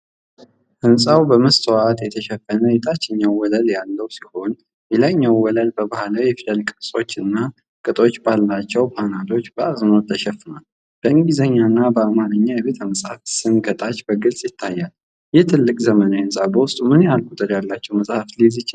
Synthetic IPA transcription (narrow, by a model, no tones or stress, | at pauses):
hɨnsʼawbəməst̪ʰəwat̪jɛt̪ʰəʃɛfːənəjɛt̪ʰat͡ʃːɛɲːawwɔləljalːəwsiho̞n | jɛlaɲːawːɔləlbəbahlawjɛfilʼəlkʼɨsʼo̞t͡ʃːɨnːa | kʼɨt̪ʼo̞t͡ʃːbalːat͡ʃːɛwpʰanad̪ʰo̞t͡ʃːbəazɨnot̪ʰːəʃɛfːɨnal | b̥əɨŋɡizəɲːanːabəamanəɲːajɛβe̞t̪ʰəməsʼhafsɨmɡət̪ʼat͡ʃːbəɡɨlsʼjɪt̪ʰːajːal | jɛht̪ʰɨlːɨkʼzəmənəhɨnsʼabəwʊst̪ʼumɨnjalkʼut̪ʼəɾjalːat͡ʃːɛwməsʼhaflizɨt͡ʃː